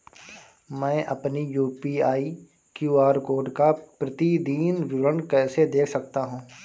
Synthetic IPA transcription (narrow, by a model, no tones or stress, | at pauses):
mɛ̃ːʔɐ̰pnijuːpiaːi | kjuːaːɾkoːɾɖkapɾɐt̪id̪iːnʋɪɾənkɛːsed̪eːkʰsɐk̚t̪aɦũː